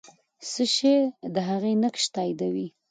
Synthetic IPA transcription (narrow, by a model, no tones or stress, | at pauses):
səʃed̪əɦaɣenəkʃt̪ɑjd̪awi